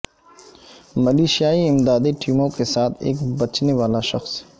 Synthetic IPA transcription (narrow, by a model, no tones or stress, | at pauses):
mɐliːʃijaːiɪmd̪aːd̪iʈʰiːmõkesaːt̪ʰḛːkbɐt͡ʃneʋaːlaʃɐxs